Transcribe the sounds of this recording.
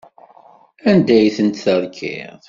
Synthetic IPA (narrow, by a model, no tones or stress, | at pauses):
ænd̪æjθənt̪θəɾˤkʰɪ̰ðˤ